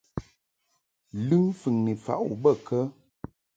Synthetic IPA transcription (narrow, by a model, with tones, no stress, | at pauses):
lʉ˦ŋfɨ˨ŋni˨fa̰˨ʔu˨bə˦˨kə˦